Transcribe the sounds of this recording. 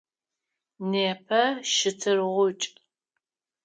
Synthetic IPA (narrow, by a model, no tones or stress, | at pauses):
neːpʰɐʃɪtʰɨrʁʷʊt͡ʃʼ